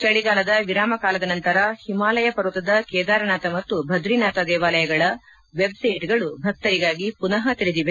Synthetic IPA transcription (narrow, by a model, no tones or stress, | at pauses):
t͡ʃɐɭiɡaːlɐd̪ɐʋiɾaːmɐkaːlɐd̪ɐnɐnt̪ɐɾɐhimaːlɐjɐpɐɾut̪ɐd̪ɐkɛːd̪aːɾɐnaːt̪ɐmɐt̪ːubʱɐd̪ɾinaːt̪ɐd̪ɛːʋaːlɐjɐɡɐɭɐ | ʋebsɐjʈɡɐɭubʱɐk̚t̪ɐɾiɡaːɡipunɐɦɐt̪iɾed̪iʋe̞